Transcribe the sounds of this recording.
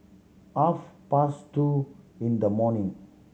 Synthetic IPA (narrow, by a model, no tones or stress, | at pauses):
afpastuĩnd̪əmɔnĩŋ